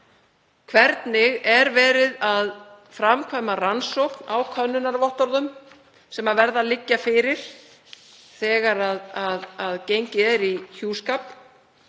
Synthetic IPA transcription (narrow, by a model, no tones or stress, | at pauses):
kʰvɛɾt̪nɪɣɛɾvɛːɾɪðað | fɾamkʰvaːjmaransowknawkʰœnːʏnaɾvɔht̪ɔɾðʏm | sɛmaðvɛɾðalɪcːafɪɾɪɾ̥ | θɛːɣaɾaðaðaðcejɲcɪɛɾiçjuːskap